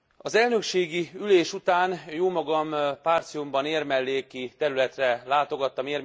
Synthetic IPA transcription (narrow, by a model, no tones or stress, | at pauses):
ɒzɛlnø̞kʃeːɡiyleːʃut̪aːnjoːmɒɡɒmpaːrt̪sijumbɒneːrmɛlːeːkit̪ɛɾylɛt̪rɛlaːt̪o̞ɡɒt̪ːɒmeːr